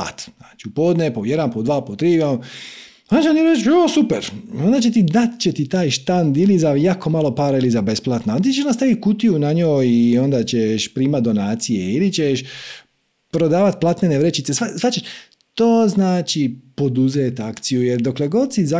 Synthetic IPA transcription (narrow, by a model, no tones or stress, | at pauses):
a̰t̪naːt͡ʃiupod̪nepojed̪anpod̪ʋaːpot̪ɾiːjm | onat͡ɕemoniɾet͡ʃosupeɾond̪at͡ɕe̞t̪id̪at̪t͡ɕet̪it̪aːjʃt̪and̪ilizajaːkomalo̞paːɾailizabe̞splˠat̪noalt̪iːt͡ʃeʃnast̪aʋit̪̚kut̪ijunaɲoːjio̞nd̪at͡ɕeʃpɾiːmat̪̚d̪o̞naːt̪sijeilit͡ɕeʃ | pɾo̞d̪aːʋat̪̚plˠaːt̪neneʋɾet͡ʃit̪se̞sʋasʋat͡ɕeʃ | t̪oːznaːt͡ʃipo̞d̪uzeːt̪akt̪sijujeɾd̪okleɡo̞d̪siza